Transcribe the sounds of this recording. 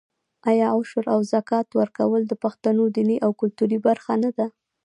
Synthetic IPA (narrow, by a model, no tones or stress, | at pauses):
ʔajɑʊʃʊɾawzakɑt̪wəɾkawəld̪əpaxt̪anod̪iniʔawkʊlt̪uɾibaɾxanad̪a